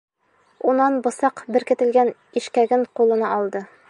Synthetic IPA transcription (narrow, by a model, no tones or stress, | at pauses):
unɑnbɤ̆sɑqbɘ̆ɾkɘ̆t̪ɘ̆lɡæn | iʃkæɡɘŋqulˠɤ̆nɑɒlˠd̪ɤ